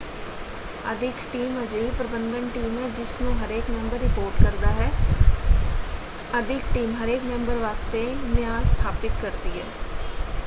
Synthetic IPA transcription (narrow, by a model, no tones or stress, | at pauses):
əd̪ʱɪkʈiːməd͡ʒeipɾəbə̃nd̪əɳʈiːmɦɛːd͡ʒɪsnũːɦəɾeːkmɛ̃mbəɾːɪpoːɾʈkəɾd̪aːɦɛː | əd̪ʱɪkʈiːmɦəɾeːkmɛ̃mbəɾʋaːst̪eːnɪjaːnst̪ʰaːpɪt̪kəɾd̪iːɦɛː